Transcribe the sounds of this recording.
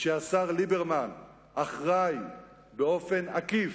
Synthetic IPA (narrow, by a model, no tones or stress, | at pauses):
ʃeasaʁlibeʁman | ʔaχʁaj | beo̞fe̞nakif